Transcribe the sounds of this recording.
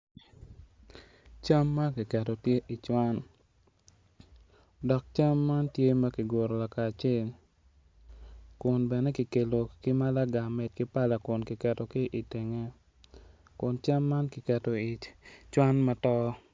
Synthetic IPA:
t͡ʃa˦mːa˦ki˨kɛ˨to˨tje˦ʔi˨t͡ʃwa˦n | dɔ˨k̚t͡ʃa˦mːa˦ntje˦ma˦ki˨ɡo˨ɾo˨la˨kaː˨t͡ʃe˦˨l | kʊ˨nbɛ˨nɛ˦ki˨ke˨lo˨kɪ˦ma˦la˦ɡa˨mɛ˨t̚kɪ˦pa˦la˨kʊ˨nkɪ˨kɛ˨to˨kɪ˦ʔi˨tɪ˨ŋe˦ | kʊ˨nt͡ʃa˦mːa˦nkɪ˨kɛ˨to˨t͡ʃwa˦nma˦tɔ˦

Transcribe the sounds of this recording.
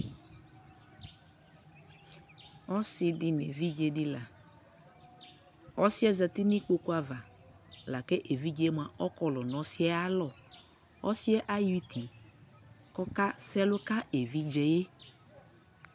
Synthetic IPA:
ɔ˦sɪ˨dɪ˨n˨ḛ˨vi˦d͡ʒe˨dɪ˦la˨ | ɔ˦sɪ˦ɛ˦zɛ˨t̪ɪ˦ni˦k͡po˦ku˦a˨va˨ | la˨ke˦ʔe˨vi˦d͡ʒe˨˦mu˨a˨ʔɔ˦kɔ˦lɔ˨nɔ̃˨˦sɪ˦ɛ˦a˦lɔ˨ | ɔ˦sɪ˦ɛ˦ʔa˦ju˦t̪i˨ | kɔ˦ka˦sɛ˦lʊ˦ka˦ʔe˨vi˦d͡ʒɛ˨je˦

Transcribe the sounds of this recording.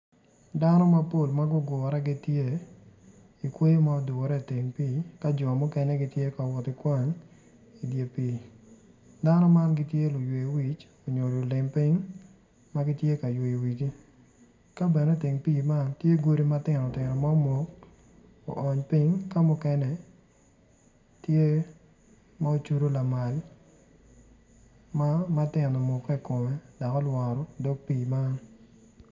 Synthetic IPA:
da˦nɔ˦ma˦po˦˨lma˦ɡʊ˦ɡʊ˨ɾɛ˦ɡi˦tje˦˨ | i˨kwe˦jo˦ma˦ɔ˦du˨ɔ˨ɾɛ˦˨te˨ŋpi˦˨ka˦d͡ʒɔ˨mʊ˦kɛ˦nɛ˦ɡɪ˦tje˦ka˨wɔ˨tɪ˨kwa˦ɲ | i˨dje˨pi˨ | da˦nɔ˦ma˦nɡɪ˦tje˦lʊ˨jwe˨wi˨t͡ʃ | o˨ɲo˨ɾɔ˨lɪ˨mpi˦ŋ | ma˦ɡɪ˦tje˦ka˨jwe˨i˨wi˨t͡ʃi˦ | ka˦bɛ˨ne˦tɪ˨ŋpiː˦˨ma˦ntje˦ɡo˦ɾi˦ma˦tɪ˨nɔ˨tɪ˨nɔ˨mɔ˦mo˨k | o̰˨ʔɔ˨ɲpi˦ŋka˦mʊ˦kɛ˦nɛ˨ | tje˦ | ma˦o˦t͡ʃu˦ɾo˦la˨ma˨l | ma˦ma˦tɪ˨nɔ˨mo˨ki˨ko˨mɛ˨dɔ˨kɔ˦lwa˨ɾɔ˨do˦ɡ̚piː˦˨ma˦n

